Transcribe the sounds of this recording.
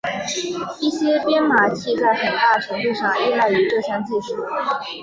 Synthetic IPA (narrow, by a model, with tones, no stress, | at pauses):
i˥˩ɕjɛ˥pjɛ˥nma˨˩t͡ɕʰi˥˧t͡sa˥˩ɪxə˨˩t̪a˥˩ʈ͡ʂʰɤ˧˥ŋt̪u˥˧ʂɑ˥˩ŋi˥˧la˥˩ɪy˧˥ʈ͡ʂɤ˥˩ɕʰjɑ˥ŋt͡ɕi˥˩ʂu˥˩˦